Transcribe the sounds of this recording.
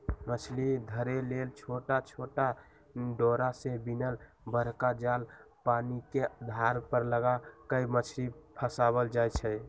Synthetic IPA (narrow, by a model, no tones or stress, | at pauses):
mət͡ʃʰlid̪ʱəɾelelt͡ʃʰoʈat͡ʃʰoʈa | ɖoɾasẽbinəl | bəɾkad͡ʒal | paniked̪ʱaɾpəɾləɡakəjmət͡ʃʰlipʰəsaβəld͡ʒajt͡ʃʰɛ